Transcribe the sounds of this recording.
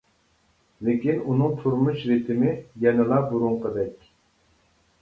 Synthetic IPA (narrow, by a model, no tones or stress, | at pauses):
lɪkʲinunɨŋt̪ʰuɾmuʃɾɪt̪ʰɪmɪjɛnɪlˠɑbuɾuŋqəd̪ɛkʲ